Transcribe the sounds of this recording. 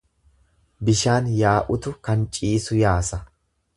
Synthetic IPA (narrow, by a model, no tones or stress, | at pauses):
bɪʃaːnjaːʔʊt̪ʊkɐnt͡ʃʼiːsʊjaːsɐ